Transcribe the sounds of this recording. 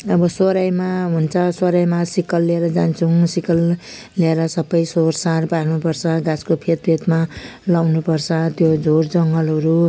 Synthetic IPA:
ʌbʌsoɾajmaɦunt͡sʰʌsoɾajmasikʌlːeɾʌd͡zant͡sʰusikʌl | leeɾʌsʌbʌjsorsarpaɾnupʌrt͡sʰʌɡaskopʰet̪̚pʰet̪malawnupʌrt͡sʰʌt̪jod͡zʱord͡zʌŋɡʌlɦʌɾu

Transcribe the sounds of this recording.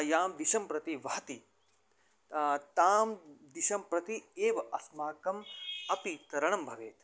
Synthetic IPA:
jaːmd̪iʃɐmpɾɐt̪iʋɐɦɐt̪i | t̪aːmd̪iʃɐmpɾɐt̪ieːʋɐʔɐsmaːkɐmɐpit̪ɐɾɐɳ̃ɐmbʱɐʋeːt̪

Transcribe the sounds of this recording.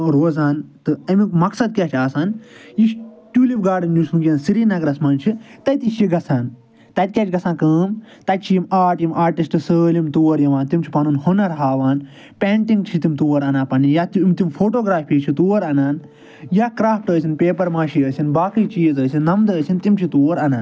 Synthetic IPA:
ɾoːzaːnt̪ɨɐmikmɐksɐd̪̚kʲaːt͡ʃʰaːsaːnjiʃ | ʈʲuːlipɡaːɖɨnjusmuɡʲjɐnsiɾiːnɐɡɾɐsmɐnt͡ʃʰit̪ɐt̪iʃiɡɐsaːn | t̪ɐt̪̚ʲkʲaːt͡ʃʰʲɡɐsãːnkəːmt̪ɐt̪̚ʲt͡ʃʰijimaːʈjimʔaːɾʈisʈɨsəːlimt̪oːɾjɐʋãːnt̪imt͡ʃʰi̥pɐnunhonɐɾɦaːʋaːn | pʲeːɳʈĩŋɡt͡ʃʰit̪imt̪oːɐɾɐnaːpɐnijaːt̪mt̪imfʰoːʈoːɡɾaːpʰiːt͡ʃʰit̪oːɾɐnaːn | jaːkɾaːfʈəːsʲinpeːpɐɾmaːʃiəːsʲinbaːkiːt͡ʃiːzəːsinːɐmd̪əːsʲint̪imt͡ʃʰit̪oːɾɐnaːn

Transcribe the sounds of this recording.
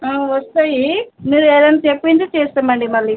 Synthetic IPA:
aːʋɐst̪ajimiːɾeːd̪ɐnat͡ʃepːind̪it͡ʃɛːst̪ɐmɐɳɖimɐɭːiː

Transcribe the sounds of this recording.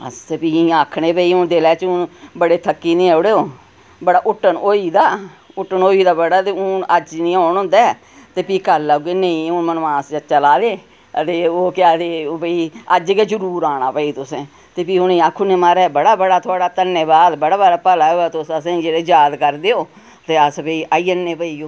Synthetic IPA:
ə̰spiiːaːkʰɳeːpəiːʊnd̪elɛːt͡ʃʊnbəɽeːt̪ʰəkːiːnĩːɛːʊɽeːoː | bəɽaːʔʊʈːənoːiːd̪aːʊʈːənoːiːd̪aːbəɽaːt̪eːʊəd͡ʒnĩːãːnõːnd̪ɛː | t̪eːpiːkəlːɡeːneĩːʊmənːãːsd͡ʒət͡ʃəlaːd̪eː | ət̪eːoːkɪaːd̪eːobəiːəd͡ʒɡeːd͡ʒəɾuːɾaːɽ̃aːpəiːt̪ʊsẽː | t̪eːpiːɦʊnĩːaːkʰuːnẽːmaːɾɛːbəɽaːbəɽaːt̪ʰʊaːɽaːt̪əneːbaːd̪bəɽaːbaːɾaːpəlaːoːɛːt̪ʊsəsẽd͡ʒeːɽeːd͡ʒaːd̪kəɾd̪eːoː | t̪eːəsbəiːʔaːiːənːẽːpəiːoː

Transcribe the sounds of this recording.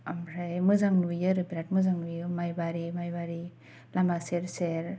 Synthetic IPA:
amɾajmɯzaŋnujɯɾɯbiɾat̚mɯzaŋnujɯmajbaɾimajbaɾi | lamaseɾseɾ

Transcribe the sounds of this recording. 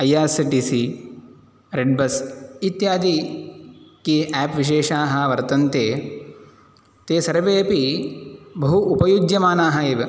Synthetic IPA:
ɐjaːsiʈisi | ɾeɖ̚bɐsit̪jaːd̪i | kiæːpʋiʃ̬eːʃaːɦɐ̆ʋɐɾt̪ɐnt̪eː | t̪eːsɐɾɐʋeːpi | bɐɦuʔːpɐjud͡ʒjɐmaːnaːɦɐeːʋɐ

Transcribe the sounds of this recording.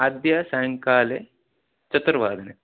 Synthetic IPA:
ɐd̪jɐsɐjŋkaːle | t͡ʃɐt̪ɾɐʋaːd̪ʱɐne

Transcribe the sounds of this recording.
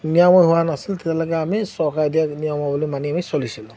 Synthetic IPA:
nijɔmɔjɦuwanasilt̪ɛtalɔɡɛamisɔkajdiaknijɔmɔbulimaniamisolisilã

